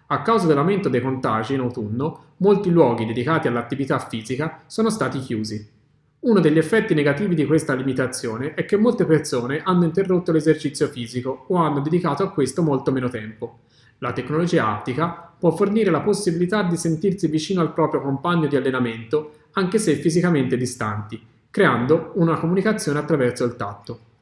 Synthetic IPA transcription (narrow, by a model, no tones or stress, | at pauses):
akːawzad̪elːawment̪od̪ejkont̪a̰ʒinawt̪unːo | molt̪ilwɔːɡ̟id̪ed̪ikaːt̪ialːat̪ːivit̪afːiːzikasoːnost̪aːt̪ikjuːzi | unod̪eʎːefːɛt̪ːineɡat̪iːvid̪ikwest̪alimit̪at̪sːjoːneʔɛkːemːolt̪epersoːneʔanːoint̪erːot̪ːolezert͡ʃit̪sːjofiːzikooanːod̪ed̪ikaːt̪oakːwest̪omolt̪omeːnot̪ɛmpo | lat̪ekːnolod͡ʒiːaa̰t̪ːikapwɔfːorniːɾelaposːibilit̪ad̪ːisent̪irsivit͡ʃiːnoalpɾɔːpɾjokompaɲːod̪ialːenament̪o | aŋkesefizikament̪ed̪ist̪a̰nt̪i | kɾeand̪ounakomunikat̪sːjoːneat̪ːɾavɛrt̪soilt̪a̰t̪ːo